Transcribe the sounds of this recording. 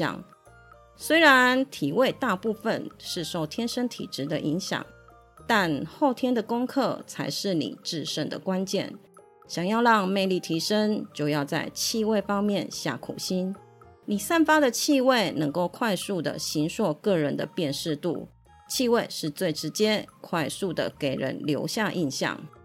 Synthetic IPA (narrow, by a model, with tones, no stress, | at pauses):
ɑ̰˨˩ŋ | swe˥ɪɻa˧˦nt̪ʰi˨˩we˥˧ɪt̪a˥˧pu˥˩fə˨nʂɻ̩˥˧ʂo˥˩ʊt̪ʰjɛ˥nʂə˥nt̪ʰḭ˨˩ʈ͡ʂɻ̩˧˥d̪ə˨ʔi˧˥ŋɕjɑ̰˨˩˦ŋ | t̪a˥˧nxo˥˩ʊt̪ʰjɛ˥nd̪ə˨kʊ˥ŋkʰɤ˥˩t͡sʰa˧˥ɪʂɻ̩˥˩nḭ˨˩ʈ͡ʂɻ̩˥˧ʂə˥˩ŋd̪ə̰˨kwa˦nt͡ɕjɛ̰˥˩n | ɕjɑ˨˩ŋjɑ˥˧ʊɻɑ˥˧ŋme˥˧ɪli˥˩t̪ʰi˧˥ʂə˥nt͡ɕjo˥˧ʊjɑ˥˧ʊt͡sa˥˩ɪt͡ɕʰi˥˧we˥˩ɪfɑ˥ŋmjɛ˥˨nɕja̰˥˩kʰṵ˨˩ɕi˥n | ni˨˩sa˥˩nfa˥d̪ə˨t͡ɕʰi˥˧we˥˩ɪnɤ˧˥ŋko˥˩ʊkʰwa˥˧ɪsu˥˩d̪ə̰˩ɕi˧˥nʂwɔ˥˧kɤ˥˩ɻə˧˥nd̪ə˧pjɛ˥˧nʂɻ̩˥˧t̪ṵ˥˩ | t͡ɕʰi˥˧we˥˧ɪʂɻ̩˥˧t͡swe˥˩ɪʈ͡ʂɻ̩˧˥t͡ɕjɛ˥kʰwa˥˧ɪsu˥˩d̪ə̰˩ke˨˩ɪɻə̰˧˦˥nljo˧˥ʊɕja˥˧ʔi˧nɕjɑ̰˥˩ŋ